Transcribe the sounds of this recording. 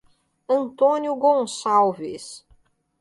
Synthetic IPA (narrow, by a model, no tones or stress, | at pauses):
ɐ̃nt̪õnjʊɡõsawvɪ̰s